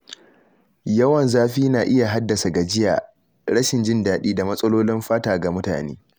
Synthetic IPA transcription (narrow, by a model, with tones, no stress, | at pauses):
jɐ˦wɐ˨nzaː˦ɸiː˦naː˨ʔɪ˦ja˨ɦa˦dːɐ˨sa˨ɡa˨d͡ʒɪ˦ja̰ː˨ | ɽɐ˦ʃɪ˨nd͡ʒɪ˦ndaː˨ɗiː˦da˨mɐ˦sʼɐ˦loː˦lɪ˦mɸaː˦taː˨ɡa˨mʊ˦ta̰ː˨nḛː˦